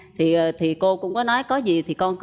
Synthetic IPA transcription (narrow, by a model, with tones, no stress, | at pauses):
t̪ʰi˨˩˨t̪ʰi˨˩ko˧kʊ̰˧˥ŋ͡mkɔ˨˦nɔ˨˦jkɔ˨˦zi˨˩t̪ʰi˨˩kɔ˧nk